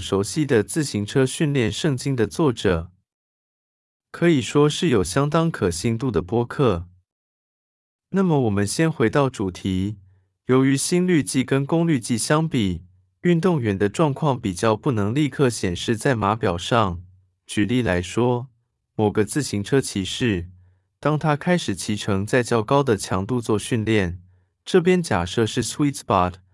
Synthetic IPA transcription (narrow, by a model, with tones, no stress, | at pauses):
ʂo˧˥ʊɕi˥d̪ə˨t͡sɹ̩˥˩ɕi˧˥ŋʈ͡ʂʰɤ˥ɕy˥˧nljɛ˥˧nʂɤ˥˩ŋt͡ɕi˥ŋd̪ə˨t͡swɔ˥˩ʈ͡ʂɤ˨˩˦ | kʰɤ˧˥i˨˩ʂwɔ˥ʂɻ̩˥˩jo˨˩ʊɕjɑ˥ŋt̪ɑ˥ŋkʰɤ˨˩ɕi˥˧ŋt̪u˥˩d̪ə˩pwɔ˥kʰɤ˥˩ | na˥˩mə˩wɔ˨˩mə˦nɕjɛ˥nxwe˧˥ɪt̪ɑ˥˩ʊʈ͡ʂu˨˩t̪ʰi˧˥ | jo˧˥ʊy˧˥ɕi˥nly˥˧t͡ɕi˥˩kə˥nkʊ˥ŋly˥˧t͡ɕi˥˩ɕjɑ˥ŋpi˨˩ | y˥˧nt̪ʊ˥˩ŋɥɛ˧˥nd̪ə˧ʈ͡ʂwɑ˥˧ŋkʰwɑ˥˩ŋpi˨˩t͡ɕjɑ˥˧ʊpu˥˩nɤ˧˥ŋli˥˧kʰɤ˥˩ɕjɛ˨˩nʂɻ̩˥˧t͡sa˥˩ɪma˧˥pjɑ˨˩ʊʂɑ˥˩ŋ | t͡ɕy˨˩li˥˩la˧˥ɪʂwɔ˥ | mo˨˩ɡə˦t͡sɹ̩˥˩ɕi˧˥ŋʈ͡ʂʰɤ˥t͡ɕʰi˧˥ʂɻ̩˥˩ | t̪ɑ˥ŋt̪ʰa˥kʰa˥ɪʂɻ̩˨˩t͡ɕʰi˧˥ʈ͡ʂʰɤ˧˥ŋt͡sa˥˧ɪt͡ɕjɑ˥˩ʊkɑ˥ʊd̪ə˨t͡ɕʰjɑ˧˥ŋt̪u˥˧t͡swɔ˥˧ɕy˥˧nljɛ˥˩n | ʈ͡ʂɤ˥˩p̬jɛ˥nt͡ɕja̰˨˩ʂɤ˥˧ʂɻ̩˥˩swi˥t̪pɑ˥˩t̪ʰ